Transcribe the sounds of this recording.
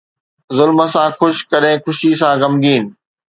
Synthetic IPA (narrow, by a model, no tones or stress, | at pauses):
zʊlmə̆sãxʊʃkɐɗẽkʰʊʃisãɡɐmɡiːnɪ̆